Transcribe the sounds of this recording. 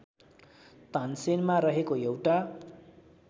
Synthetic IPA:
t̪ansenmaɾʌɦekojewʈa

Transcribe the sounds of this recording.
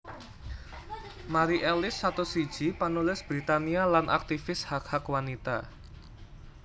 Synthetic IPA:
maɾiʔɛlɪsːat̪osi̥ʒ̥ipənulɪsb̥ɾit̪anialanʔa̰k̚t̪ifɪshakhakwanit̪a

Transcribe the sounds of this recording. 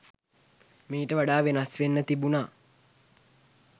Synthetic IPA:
miːʈəʋaɖaːʋenasʋenːət̪ibunaː

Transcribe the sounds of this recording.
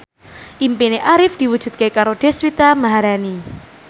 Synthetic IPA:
ʔimpineʔaɾɪfd̪̥iwud̥ʒ̥ṳt̪̚kekaɾoɖ̥eswit̪amaɦaɾani

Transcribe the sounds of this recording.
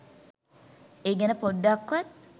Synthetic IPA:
eːɡænəpod̪ːakːʋat̪̚

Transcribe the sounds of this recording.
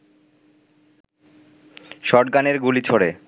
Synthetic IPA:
ʃɔʈ̚ɡaneɾɡulit͡ɕʰoɽe

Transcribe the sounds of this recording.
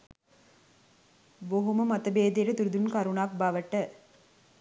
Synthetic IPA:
boɦumɐmɐt̪ːɐbeːd̪eːɾɐt̪uɾd̪unkɐɾuɳaːk̚baːʋɐʈːɐ

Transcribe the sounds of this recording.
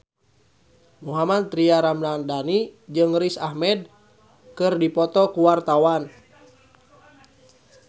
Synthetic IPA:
muɦamad̪̚t̪ɾiaɾamlandanid͡ʒɨŋɾisahmɛd̚ | kɨrdipɔt̪ɔkuwart̪awan

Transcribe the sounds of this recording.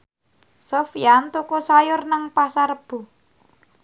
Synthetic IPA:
sofijant̪ukosajʊrnaŋpasarəb̥ṳ

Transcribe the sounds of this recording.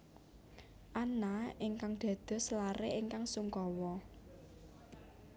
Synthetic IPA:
ʔanaiŋkaŋd̪̥a̤d̪̥ɔ̤slaɾeʔiŋkaŋsuŋkɔwɔ

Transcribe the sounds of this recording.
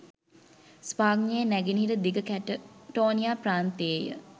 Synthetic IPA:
spaːɡɲejənæɡinɦiɾəd̪iɡəkæʈəʈoːnijaːpɾaːnt̪eejə̰

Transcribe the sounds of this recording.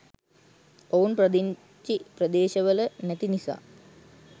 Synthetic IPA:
ounprəd̪iɲ | t͡ʃiprəd̪eːʃəʋələnæt̪inisa̰ː

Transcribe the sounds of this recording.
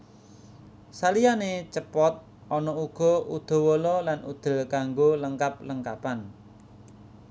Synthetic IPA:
salijanet͡ʃəpɔt̪̚ | ʔɔnɔuɡ̥ɔ̤ud̪̥ɔ̤wolɔlanṵd̪̥ə̤lkaŋɡoləŋkap̚ləŋkapan

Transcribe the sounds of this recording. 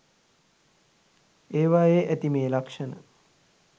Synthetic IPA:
eːʋajeʔæt̪imeːlakʂənə

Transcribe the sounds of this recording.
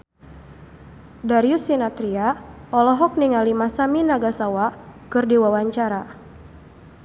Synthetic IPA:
daɾiusinat̪ɾiaɔlɔɦɔk̚niŋalimasaminaɡasawakɨrdiwawaɲt͡ʃaɾa

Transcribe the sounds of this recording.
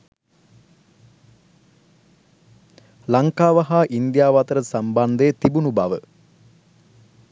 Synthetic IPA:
laŋkaːʋaɦaːʔind̪jaːʋat̪əɾəsamband̪əjət̪ibunubaʋə

